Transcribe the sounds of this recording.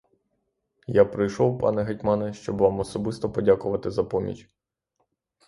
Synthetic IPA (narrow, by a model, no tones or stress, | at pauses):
japɾɪjʃɔwpɑ̰nɛɦɐtʲmɑnɛʃt͡ʃɔbʋɑmɔsɔbɪst̪ɔpɔdʲakʊʋɐt̪ɪzɐpɔmʲḭt͡ʃʲ